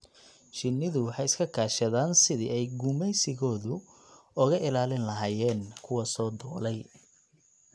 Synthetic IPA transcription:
ʃɪnːɪðʊwɑħɑjɪskʰɐkʰaːʃɐðaːnsɪðḭʔɛjɡʊmɛjsɪɣɔːðʊ | ʊɣɐʔɪlaːlɪnlɐɦaːjɛːnkʰʊwɐsɔːd̪ɔːlɛj

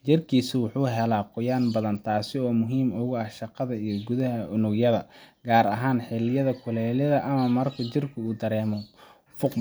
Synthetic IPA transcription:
t͡ʃɪrkʰiːsɪwʊħuːɦɛlaːqʊjaːnbɐðɐnt̪ʰaːsɪɔːmʊɦiːmʊɣʊɐhʃɑqɑðɐijɞɡʊðɐɦɐʊnʊɡjɐðɐɡaːɾɐɦaːnħɪlɪjɐðɐkʰʊlɛːlɐðɐʔɐmɐmɐrkʰɐt͡ʃɪrkʰʊuːd̪ɐɾɛːmɔ | fʊq

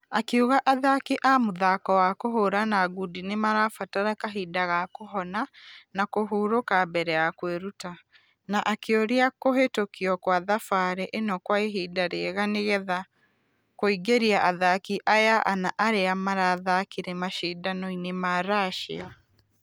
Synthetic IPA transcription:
akeuɣaʔaðakiʔamoðakɔwakoɦoɾanaːɣudinemaɾafataɾakaɦidaɣakoɦɔnanakoɦuɾokabɛɾɛjakweɾuta | naʔakeoɾeakoɦetokiɔkwaðafaɾɛʔenɔkwaeɦidaɾeɣaneɣɛða | koiɡeɾiaʔaðakiʔajaʔanaʔaɾeamaɾaːðakiɾɛmaʃiːdanɔinemaːɾaʃḛa

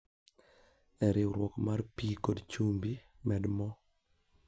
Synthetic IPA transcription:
ɛɾɪɾwɔkmarpikodt͡ʃumbi | mɛdmɔ

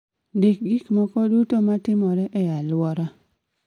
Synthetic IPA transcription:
dek̚ɡɪkmɔkɔdutomatɪmɔɾɛʔɛjalwɔɾa

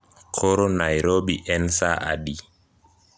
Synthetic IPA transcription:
kʰɔɾonajɾoɓiʔɛnsa̰ʔa̰ɗi

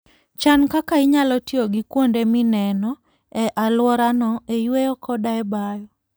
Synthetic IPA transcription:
t͡ʃankakaɪɲalɔtioɡikwondeminɛnɔ | ɛʔalwɔɾanɔejwejɔkɔdaɛbajɔ

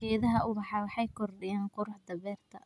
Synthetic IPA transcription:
ɛːðɐɦɐʔʊbɑħɑːwɑħɑjkʰɔrɗɪjaːnqʊɾʊħd̪ɐβɛːrt̪ʰɐ

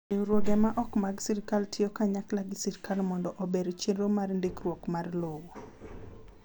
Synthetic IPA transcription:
eɾwoɡɛmaʔɔkmaɡsiɾkaltʰɪokaɲaklaɡɪsiɾkalmɔndɔʔobeɾt͡ʃenomarndikrwokmarlowo

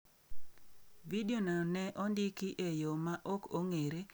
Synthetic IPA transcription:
vidjonɔnɛʔɔndɪkiʔejomaʔokoŋeɾe

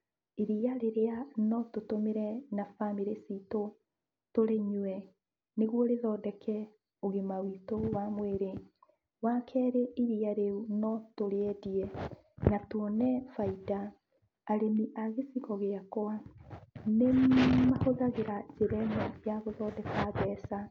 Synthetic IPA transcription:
iɾiaɾeɾeanɔtotomeɾɛnafamiɾesiːto | toɾeɲwwɛ | neɣwɔɾeðɔdɛkʰɛ | oɣemawitowamweɾe | wakʰɛɾeiɾiaɾeunɔtoɾeɛdiɛ | natwɔnɛfaidaː | ɾemiʔaɣesiɣɔɣeakɔa | nemahoðaɣeɾazeɾɛnɛjaɣoðɔdɛkaβɛsa

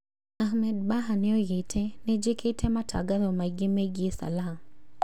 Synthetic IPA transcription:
ahmɛd̚baɦanɪojɪtʰɛnɛd͡ʒɪkʰɪtʰɛmatʰa̰ɡalɔmaɡɪmeɡɪsa̰lam

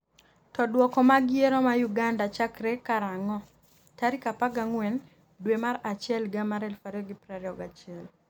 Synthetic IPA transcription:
tɔdwɔkɔmaɡɪeɾɔmajuɡandat͡ʃakɾekaɾaŋɔ | taɾikapaɡaŋwɛn | dwemaɾat͡ʃɪɛlɡamaɾɛlfaɾɔɡɪpɾɛɾɔɡat͡ʃɪɛl

